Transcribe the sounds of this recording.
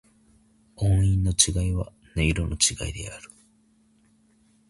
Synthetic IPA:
õɰ̃ĩnːo̞t͡ɕiɡaiβa | neiɾonʔo̞t͡ɕiɡa̰id̪e̞aɾɯ̟̥

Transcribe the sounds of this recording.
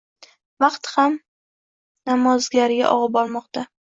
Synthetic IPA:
vɑqt̪ham | namɒzɡʲaɾɪɡʲa̰ʔɒ̰ʁɑb̚ɒɾmɒqt̪a

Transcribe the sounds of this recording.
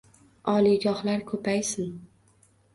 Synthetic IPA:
ɒliɡɒhlaɾkʰɵpʰajsɪn

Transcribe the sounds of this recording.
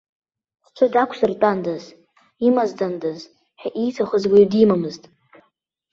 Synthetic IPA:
d̥ʈ͡ʂʷʰɨdakʷʰsɨrtʼandaz | imazdandaz | ħᶣaʔijtʰaχəzɡʷajdimamɨztʼ

